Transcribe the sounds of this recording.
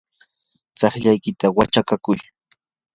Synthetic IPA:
t͡sɑχʎajkɪt̪awat͡ʃakakʊj

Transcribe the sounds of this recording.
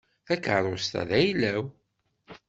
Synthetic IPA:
θækəɾˤost̪æ̰ðæjlæw

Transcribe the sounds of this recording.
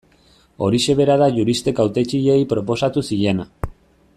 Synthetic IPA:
o̞ɾiʃe̞βe̞ɾaðaʝuɾist̪e̞kawt̪e̞t͡ʃiʎe̞jpɾo̞po̞sat̪usiʎe̞na

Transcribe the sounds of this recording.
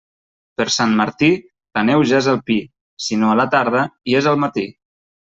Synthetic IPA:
pəɾsanməɾt̪i | lənɛwʒaezəlˠpi | sinoələt̪aɾð̞əiezəlˠmət̪i

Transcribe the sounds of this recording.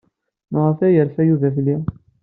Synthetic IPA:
məʁəfæjəɾfæjuvæθlːi

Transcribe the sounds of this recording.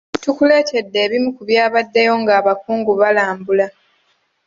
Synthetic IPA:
tukule̞ːte̞dːe̞ːβimukuβjaːβadːe̞jo̞ŋɡaːβakuːŋɡuβalaːmbula

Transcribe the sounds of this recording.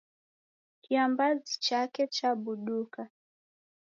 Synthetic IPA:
kiambazit͡ʃakɛt͡ʃaɓuɗuka

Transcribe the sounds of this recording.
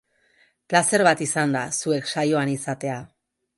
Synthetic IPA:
klase̞ɾβat̪isand̪asue̞kʃajo̞anisat̪e̞a

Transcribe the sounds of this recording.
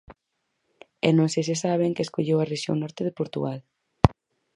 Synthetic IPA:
ɛnõŋsejs̬ɪsaβ̞eŋkɪeskoʎewareʃjo̰ŋnɔɾt̪ɪðɪpoɾt̪ṵɣal

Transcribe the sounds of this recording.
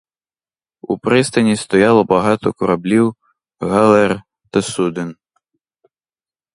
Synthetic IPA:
upɾɪst̪ɐnʲist̪ɔjalˠɔbaɦɑt̪ɔkʊɾablʲiw | ɣalˠɛr | t̪ɐsud̪ɪn

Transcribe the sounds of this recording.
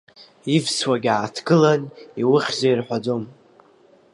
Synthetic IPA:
ivswaɡʲaːtʰɡɨlaniwʊχʲzairħʷad͡zo̞m

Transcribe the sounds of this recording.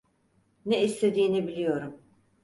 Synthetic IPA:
nɛist̪ʰe̞d̪iːnibilʲijo̞ɾum

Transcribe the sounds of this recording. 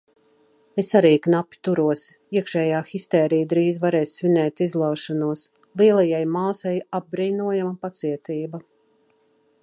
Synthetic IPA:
esaɾiːknapʲːi̥t̪uɾuɔs | iɛkʃɛːjaːxist̪ɛːɾijd̪ɾiːzvaɾɛːssvʲinɛːt̪izlˠawʃɔnuɔs | lˠiɛlˠajajmaːsajab̚bɾiːnuɔjamapat̪siɛt̪iːba

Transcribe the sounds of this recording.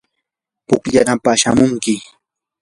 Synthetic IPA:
pʊkʎanapaʃamʊŋkɪ

